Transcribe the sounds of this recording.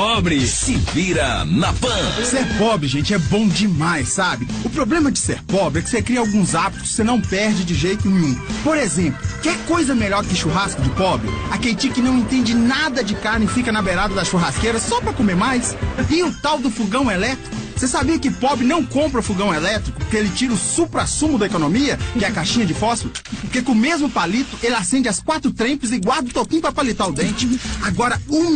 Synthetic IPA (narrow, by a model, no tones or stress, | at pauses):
pɔbɾɪsɪviɾɐ̰nɐpɐ̃seɾpɔbɾɪʒẽnt͡ʃɪɛbõd͡ʒɪmajsːabɪʊpɾoblẽmɐd͡ʒɪseɾpɔbɾɪɛkɪ̥sekɾiɐawɡũzabit̪ʊ̥sːenɐ̃w̃pɛɾd͡ʒɪd͡ʒɪʒejt̪ʊnẽũpoɾezẽmplʊkɪ̃kojzɐmeʎɔɾkɪʃuɦaskʊd͡ʒɪpɔbɾɪ̰akelɪt͡ʃikɪnɐ̃w̃ẽt̪ẽnd͡ʒɪnad̪ɐd͡ʒɪkaɾnɪfikɐnɐbeɾad̪ɐd̪ɐʃuɦaskeɾɐsɔpɾɐkomeɾmajsɪʊt̪awd̪ʊfuɡɐ̃w̃elɛt̪ɾikʊsesabiɐkɪʊpɔbɾɪnɐ̃w̃kõmpɾɐʊfuɡɐ̃w̃elɛt̪ɾikʊpʊkeelɪt͡ʃiɾɐʊsupɾasũmʊd̪ɐekonõmiɐkɪɛɐkaʃĩɲɐd͡ʒɪfɔsɪlʊpoɾkekõmezmʊpalit̪ʊʔelɪasẽnd͡ʒɪaskwat̪ɾʊt̪ɾẽpɪzɪɡwaɾd̪ɐʊt̪okĩɲ̃ʊpɾɐpalit̪aɾʊd̪ẽnt͡ʃɪaɡɔɾɐu